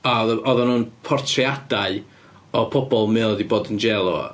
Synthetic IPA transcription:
aɔðɔnuːnpʰɔrtʰriadaɨ | ɔpʰɔbɔlˠmɨədiboːdənd͡ʒɛlˠɔ̰

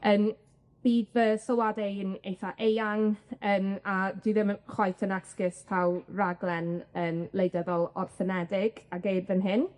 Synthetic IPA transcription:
əːn | b̥iːdvəsɔwadɛjənejθaʔejaŋənadwiðɪmənχwɔjθənaskɪspʰawraɡlˠɛnənlˠejdəðɔlˠɔrθənɛdɪɡ̥aɡejbðɪnɦɪn

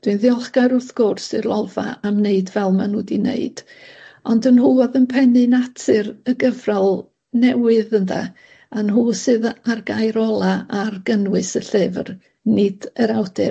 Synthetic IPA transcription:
d̥wɨnðjɔlˠχɡaɾʊrθɡ̥ʊrsɨrlˠɔva̰amneɨdvɛlˠmanuːdinḛɨd̥ | ɔndənɦuɔðənpʰɛnɨnatʰɨrəɡəvralˠ | nɛwɨðəndʰa̰ | anɦuːsɨðarɡajɾɔlˠaarɡənwɨsəɬɪvr | nɪd̥əɾawdɛ

